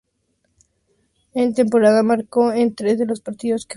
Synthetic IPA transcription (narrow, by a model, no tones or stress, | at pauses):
ent̪e̞mpo̞ɾaðamaɾko̞ent̪ɾe̞zðe̞lo̞spaɾt̪iðo̞ske